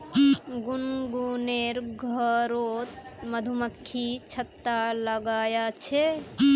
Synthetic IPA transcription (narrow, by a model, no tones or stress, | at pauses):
ɡunɡuneɾɡʱəɾot̪məd̪ʱuməkʰːit͡ʃʰət̪ːaləɡaːjat͡ʃʰe